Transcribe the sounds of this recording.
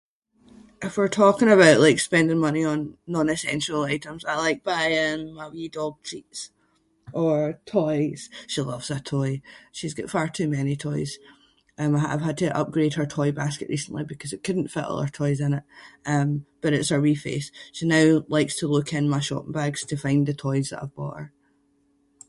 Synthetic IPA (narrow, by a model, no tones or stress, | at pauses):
ʔɪfwiɹtʰɔkɪ̃ŋəβaʊʔlˠaɪkspɛ̃ndɪ̃ŋmʌniə̃nːɔ̃nɨsɛ̰̃nʃəl̩ˠaɪʔə̃mzaɪlˠaɪk̚b̥aɪə̃nəwjidɔɡ̚t͡ʃʰits | ə˞tʰɔɪz̥ʃilˠʌvz̥ətʰɔɪʃizɡɔ̰tfaɹtʰʉmɛnitʰɔɪz̥ | ʔʌ̃maɪaɪv̥əd̚tʰəʔʌ̰p̚ɡ̥ɹed̚ə˞tʰɔɪbaskɨ̰ʔɹisə̃n̩ʔˠibɪkʰɔzɨʔkʰʉdⁿn̩tfɪ̰ʔə̰lˠə̰˞tʰɔɪzɪ̃nɪʔʌ̃mb̥ʌɾɪtshə˞ɹifḛsʃinaʊlˠaɪkstʰəlˠʉkʰɪ̃nmaɪʃɔ̰pɪ̃ŋbaɡz̥tʰəfãɪ̃nðətʰɔɪzðə̰ʔa̰ɪvbɔ̰ʔə˞